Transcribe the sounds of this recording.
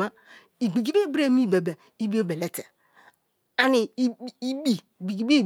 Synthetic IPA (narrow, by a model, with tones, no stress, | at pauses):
ma˦ | i˨ɡ͡bi˨d͡ʒi˦be˦bɾe˦˨mi˦˨be˨be˨ | i˦bi˦o˦be˨le˦te˨ | a˨ni˨˦˨i˦bi˨i˨ɡi˨˦bi˦˨